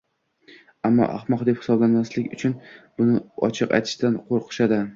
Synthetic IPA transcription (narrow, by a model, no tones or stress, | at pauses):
amːɒ̰ʔa̰hmɒqd̪e̞phɪ̥sɒblanmaslɪkʲʊt͡ʃʰʊnbʊnɪɒ̰t͡ʃʰɨqa̰jt̪ʰɪ̥ʃd̪anqʰoɾqʰɨ̥ʃad̪ɪ